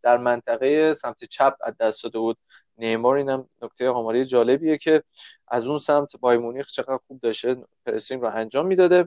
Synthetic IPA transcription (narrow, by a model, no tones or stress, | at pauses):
d̪̥æɾmænt̪ʰæɣejesæmt̪ʰet͡ʃʰæb̚ʰæ̰d̪ːæstd̪ɒːd̪e̞buːd̪̚ | nemɒːɾiːnæmnok̚t̪ʰe̞jeɒːmɒːɾejed͡ʒɒːle̞bije̞cʰe̞ | ʔæzunsæmt̪ʰbɒːjmunixt͡ʃʰe̞ɣæd̪ɾxuːb̚d̪ɒʃt̪epʰeɾesiŋɾɔʔænd͡ʒɒːmːiːd̪ɒːd̪e̞